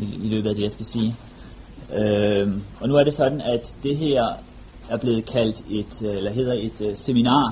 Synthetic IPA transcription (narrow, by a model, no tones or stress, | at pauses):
ilø̰ːb̥ð̩ˠæd̥e̝jɑ̈ɪsɡ̥æsiː | ø | ɒ̽nuæɐɾ̥e̝sɒ̽d̥n̩æd̥ːe̝ɦeɐ̰ | æɐb̥le̝ːð̩ˠkʰæl̰d̥e̝d̥elɐɦe̝ːð̰ˠɐe̝d̥seminɑ̰̈ː